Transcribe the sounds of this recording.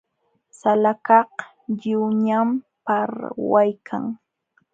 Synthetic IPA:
salakɑh | ʎɪwɲam | paɾwajkʰaŋ

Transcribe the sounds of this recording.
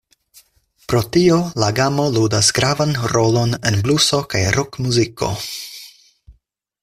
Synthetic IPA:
pɾo̞tio̞laɡamo̞ludasɡɾavanɾo̞lo̞ne̞nbluso̞kajɾʔokmuzikʰo̞̰

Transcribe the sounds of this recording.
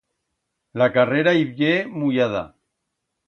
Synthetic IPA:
lakareɾaiβʎemujaða̰

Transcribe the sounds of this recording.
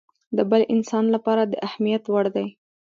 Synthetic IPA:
d̪əbəlʔɪnsɑnlapɑɾad̪əʔahmijat̪waɽd̪aj

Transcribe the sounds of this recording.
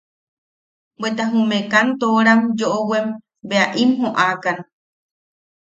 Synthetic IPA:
bet̪aɦumẽkant̪oɾamd͡ʒoʔowem | beaʔimɦoʔakan

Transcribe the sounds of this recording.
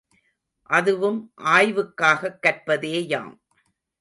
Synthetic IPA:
ʔɐðɯʋɯmʔaːjʋɯkːaːɣɐkːɐrpɐðeːja̰ːm

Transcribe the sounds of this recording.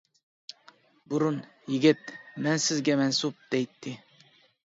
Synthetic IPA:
bʊɾʊn | jɪɡʲɪt̪mænsɪzɡʲamænsʊp̚d̪̥ejt̪ːɪ

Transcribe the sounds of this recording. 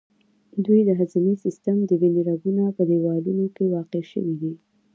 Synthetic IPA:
d̪wujd̪əɦazinesɪst̪əmd̪əd̪eniɾaɡunapəd̪ewɑlunokewɑqeʃə̰wid̪i

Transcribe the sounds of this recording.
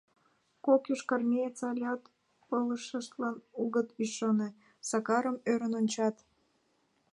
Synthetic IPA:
kokjuʃkɑrmʲejet͡sɑlʲɑt̪ | oləʃəʃt̪lɑnuɣət̪yʃone | sɑkɑɾəmøɾənonʲt͡ɕɑt̪

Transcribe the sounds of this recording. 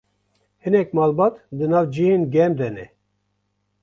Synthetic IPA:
hɨnɛk̚mɑːlbɑːt̪d̪ɨnɑːvd͡ʒiheːnɡɛmd̪ɛnɛ

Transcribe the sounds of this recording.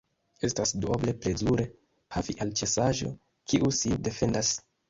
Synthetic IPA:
e̞stasduoble̞ple̞zuɾe̞ | hafiʔalt͡ʃe̞saʒo̞̰ | kiʔuside̞fe̞ndas

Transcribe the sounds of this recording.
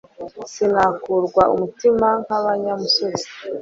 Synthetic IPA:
sinakuɾɡwaʔumutimaŋhaβaɲamusozi̥

